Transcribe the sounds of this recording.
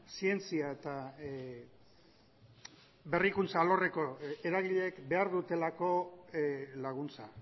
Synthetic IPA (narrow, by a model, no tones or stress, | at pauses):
sie̞nt͡siae̞t̪a | βe̞rikunt͡salo̞re̞ko̞e̞ɾaɣ̞iʎekbe̞aɾðut̪e̞lako̞ | laɣ̞unt͡sa